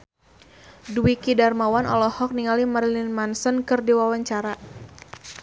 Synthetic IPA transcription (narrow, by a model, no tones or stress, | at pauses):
duwikidarmawanʔɔ̰lɔhɔk̚niŋalimaɾlinmansənkɨrdiwawaɲt͡ʃaɾa